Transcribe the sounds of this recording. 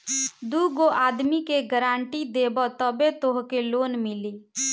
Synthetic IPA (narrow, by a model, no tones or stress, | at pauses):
d̪uːɡoʔaːd̪mikeɡəɾaːɳʈid̪eːbɔt̪əbet̪oɦkeloːnmɪliː